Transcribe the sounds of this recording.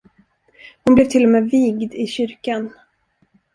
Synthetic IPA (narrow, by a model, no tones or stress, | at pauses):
hʊnblɛvt̪ʰɪlːɔmeːviːɡd̪ɪɕʏɾkan